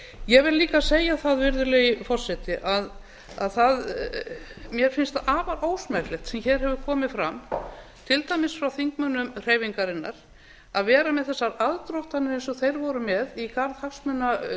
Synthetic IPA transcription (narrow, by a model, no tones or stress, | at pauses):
jɛɣvɪlliːkaseːjaθaðvɪɾðʏlejɪfɔr̥sɛt̪ɪʔað | aðθað | mjɛɾ̥fɪnst̪aːvaɾoːwsmɛklɛxt̪sɛmçɛːɾ̥hɛvʏ̥kʰɔːmɪfɾamt̪ʰɪlt̪ajmɪsfɾawθiŋk̚mœnʏmr̥eːjviŋkaɾɪnːaɾ̥ | aðvɛːɾamɛðθɛsːaɾaðt̪ɾowht̪anːʏejnsɔθejɾvɔɾʏmɛðikʰaɾðhaksmœna